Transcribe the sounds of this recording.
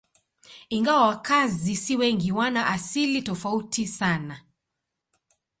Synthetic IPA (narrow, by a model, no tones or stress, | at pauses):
iŋɡawawakazisiwɛŋɡiwanaʔasilitɔfautʰisana